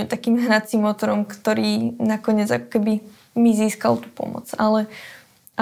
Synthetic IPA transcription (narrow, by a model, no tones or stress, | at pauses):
ut̪akiːmɦɾat͡simːɔt̪ɔɾɔmkt̪ɔɾiːnakɔɲɪɛd͡zakɔ̥kɛbi | miziːska̰lˠt̪u̥ːpɔ̰mɔ̰t͡salɛ | a